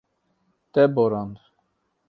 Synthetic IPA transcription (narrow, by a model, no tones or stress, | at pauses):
t̪ɛbɔɾɑnd̪